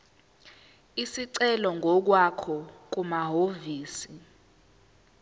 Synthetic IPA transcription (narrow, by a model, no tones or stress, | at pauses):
isiǀɛlɔŋʱɔk̬wakʰɔk̬umaɦoviːsi